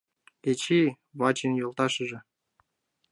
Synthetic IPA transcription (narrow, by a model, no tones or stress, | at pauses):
et͡ɕi | βɑt͡ɕinjolˠt̪ɑʃə̆ʒĕ